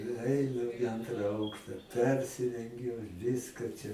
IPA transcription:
ɪ ˈɐɪnʊ ɪˈɐntrɐ ˈɐʊkʃtɐ ˈpʲɛrʲsʲɪrʲɛŋʲɡʲʊ ˈʋʲɪskɐ t͡ʃʲɛ

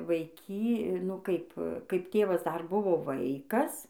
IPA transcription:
ʋɐɪˈkʲiː nʊ ˈkɐɪp kɐɪp ˈtʲeːʋɐs dɐr ˈbʊʋoː ˈʋɐɪkɐs

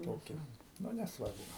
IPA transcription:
ˈtoːkʲiː ˈnʊ nʲɛsˈʋɐrbʊ

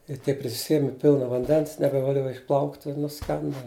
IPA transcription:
ɪ ˈtʲiɛk pʲrʲɪsʲɪˈsʲiɛmʲɛ ˈpʲɪlˠnɐ ʋɐnʲˈdʲɛns nʲɛbʲɛʋɐˈlʲuɔjɛ ɪʃˈplˠɐʊktʲ ɪ nʊˈsʲkʲɛndɐ

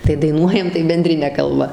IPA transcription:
tɐɪ dɐɪˈnuɔjɛm tɐɪ bʲɛnʲˈdʲrʲɪnʲɛ kɐlˠˈbɐ

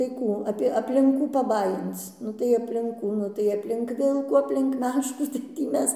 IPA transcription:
tɐɪ ˈkuː ˈɑːpʲiɛ ɐpʲlʲɪŋk ˈkuː pɐˈbɑːjɪnt͡s ˈnʊ tɐɪ ɐpʲlʲɪŋk ˈkuː ˈnʊ tɐɪ ɐpʲlʲɪŋk ˈʋʲɪlˠkuː ɐpʲlʲɪŋk ˈmʲæːʃkuː tɐɪ tʲiː ˈmʲɛs

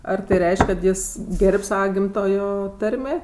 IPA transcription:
ɐr tɐɪ ˈrʲɛɪʃʲkʲ kɐt ˈjɪs ˈɡʲɛrʲpʲ ˈsɑːʋɐ ˈɡʲɪmtoːjoː ˈtɐrʲmʲeː

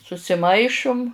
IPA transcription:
sʊsʲɪˈmɐɪʃʊm

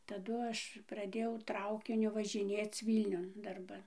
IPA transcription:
tɐˈdʊ ˈɐʃ prɐˈdʲeːjɛʊ ˈtrɐʊkʲɪnʲʊ ʋɐʒʲɪˈnʲeːt͡s ˈʋʲiːlʲnʲʊn dɐrˈbɐn

